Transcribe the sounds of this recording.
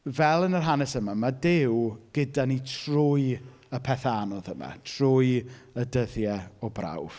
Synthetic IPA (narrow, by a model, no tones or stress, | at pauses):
vɛlˠənərɦanɛsəmamadɪwɡ̥ədanitʰrʊɨ | əpʰɛθanɔðəma̰tʰrʊɨədəðjɛɔbra̰wv̥